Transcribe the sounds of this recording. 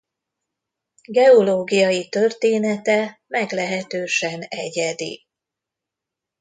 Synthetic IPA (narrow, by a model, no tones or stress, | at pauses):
ɡɛoloːɡijɒjit̪ørt̪eːnɛt̪ɛmɛɡlɛɦɛt̪øːʃɛnɛɟɛd̪ḭ